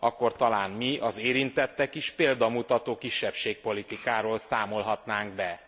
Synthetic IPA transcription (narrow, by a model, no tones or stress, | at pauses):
ɒkːo̞rt̪ɒlaːnmiɒzeːɾint̪ɛt̪ːɛkiʃpeːld̪ɒmut̪ɒt̪oːkiʃːɛpʃeːk̚po̞lit̪ikaːɾoːlsaːmo̞lɦɒt̪naːŋɡ̚bɛ